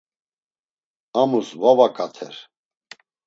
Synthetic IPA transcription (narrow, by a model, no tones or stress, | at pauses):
amusvavakʼat̪ʰɛ̰ɾ